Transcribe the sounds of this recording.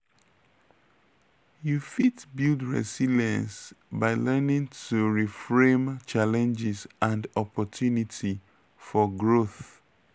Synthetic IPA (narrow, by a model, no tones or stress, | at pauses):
jufitbildɹɛ̰siliɛ̃nsbaɪlɛnĩŋtʰuɹifɹẽmt͡ʃalɛ̃nd͡ʒisãndɔpɔtʰjunitʰi | fɔɡɹoθ